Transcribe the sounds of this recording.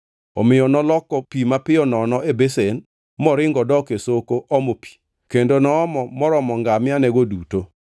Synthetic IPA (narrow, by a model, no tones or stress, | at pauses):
ɔmɪjɔnɔlɔkɔpimapɪɔnɔnɔʔebesen | mɔɾɪŋɡɔdɔkesokoʔɔmopi̥ | kendonɔːmɔmɔɾɔmɔŋɡamɪanɛɡoduto